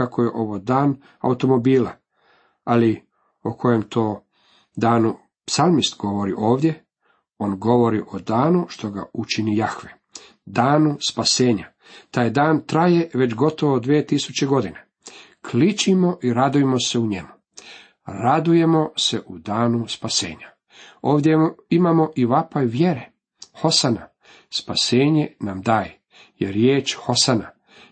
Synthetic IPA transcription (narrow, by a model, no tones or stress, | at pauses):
kakʰojeʔo̞ʋod̪aːn | a̰ut̪o̞mo̞biːla̰ | ali | okʰo̞je̞mt̪ʰo̞ː | d̪aːnu | psalmist̪ɡo̞ʋo̞ɾiʔo̞ːʋd̪je̞ | o̞ːnɡo̞ʋo̞ɾiʔo̞d̪aːnuʃt̪o̞ɡa̰ut͡ʃinijaxʋe | d̪aːnuspaseːɲa | t̪aːjd̪aːnt̪ɾaje̞ʋet͡ɕɡo̞t̪o̞ʋod̪ʋiet̪isut͡ɕe̞ɡo̞d̪ine | kʰlit͡ʃimo̞ʔiɾad̪ujemo̞se̞uɲemu | ɾad̪uje̞mo̞seʔud̪aːnuspasḛːɲa | oːʋd̪jeimamo̞ʔiʋapaiʋje̞ɾe | xo̞sana | spaseːɲe̞namd̪aːje | jeɾjeːt͡ʃxo̞sana